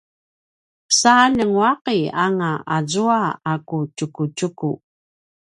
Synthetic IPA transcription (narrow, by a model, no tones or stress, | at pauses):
pə̥saːnəŋwɑqeaŋaazuaːkut͡ʃukut͡ʃuku